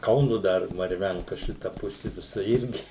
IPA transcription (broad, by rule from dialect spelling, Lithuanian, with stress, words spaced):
ˈkɐʊnʊ ˈdɐr mɐrʲˈʋʲɛŋkɐ ˈʃʲɪtɐ ˈpʊsʲɪ ʋʲɪˈsɐ ˈɪrʲɡʲɪ